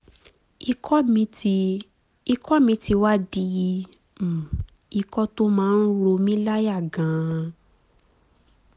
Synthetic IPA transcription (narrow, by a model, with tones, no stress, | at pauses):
i˧k | i˧kʰɔ˦mĩ˨˦ti˧wa˦di˧ji˧ | m̩˨ | i˧kɔ˦to˦mãː˦˧n̩˦ɾo˧mĩ˦la˦ja˦˨ɡã˨˦